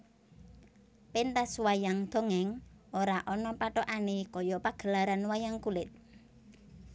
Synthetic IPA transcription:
pent̪aswajaŋd̪̥o̤ŋɛŋoɾaʔɔnɔpaʈɔʔanekɔjɔpaɡ̥ə̤laɾanwajaŋkulɪt̪̚

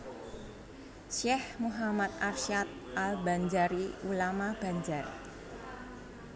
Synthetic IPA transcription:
ʃɛhmuɦamat̪̚arʃat̪̚ʔalba̤ɲd͡ʒaɾiulamab̥a̤ɲd͡ʒar

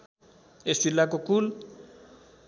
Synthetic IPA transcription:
esilak̬okul

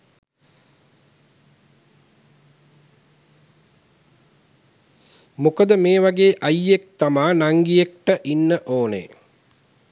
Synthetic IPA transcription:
mukəd̪əmeːʋaɡeːʔajːek̚t̪amaːnaŋɡijekʈəʔinːəʔoːnḛ

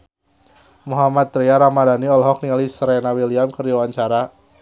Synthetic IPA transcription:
muɦamat̪̚ːɾiaɾamadaniɔlɦɔk̚nialisɾɛnawiliamkərdiwaɲt͡ʃaɾa

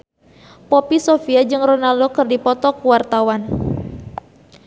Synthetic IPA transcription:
pɔpisofiad͡ʒɨŋronaldokɨrdipɔt̪ɔkuwart̪awan

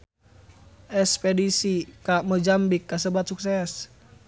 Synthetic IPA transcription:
ʔɛspedisikaməd͡ʒambikːas̬əbat̪̚suksɛs

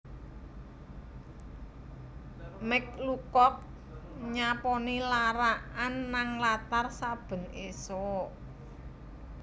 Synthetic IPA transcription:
mɪk̚lukɔk̚ | ɲapɔnilaɾaʔanːaŋlat̪arsab̥ə̤nesɔʔ

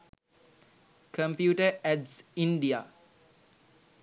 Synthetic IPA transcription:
kə̃mpjuːʈəɛɖsĩɳɖia

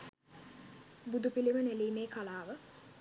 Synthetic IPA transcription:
bud̪upiliməneliːmeːkalaːʋə

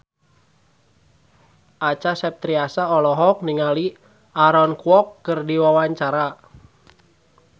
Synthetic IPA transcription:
at͡ʃasɛp̚t̪ɾiasaɔlɔɦɔk̚niŋali | aɾɔnkuɔkːɨrdiwawaɲt͡ʃaɾa

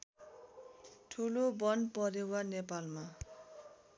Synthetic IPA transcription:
ʈʰulobʌnpʌɾewanepalma

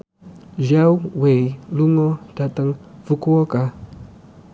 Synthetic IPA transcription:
ʒawwejluŋotatəŋvəkuwoka

